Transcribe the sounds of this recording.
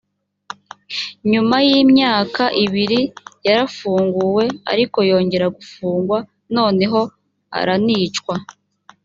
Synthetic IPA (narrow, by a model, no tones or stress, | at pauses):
ɲumajiːmɲaːkaʔiβiɾijaɾafuːŋɡuwe̞a̰ɾiko̞jo̞ːɲɟe̞ɾaɡufuːŋɡwa | no̞ːne̞ɦo̞ | a̰ɾaniːt͡ʃkwa